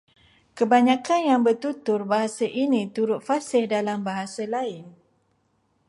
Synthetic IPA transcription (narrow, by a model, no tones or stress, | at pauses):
kəbaɲãkanjaŋbərt̪ut̪ʊrbaɦasaʔinĩt̪uɾʊt̪̚fasɪhdalambaɦasalaɪn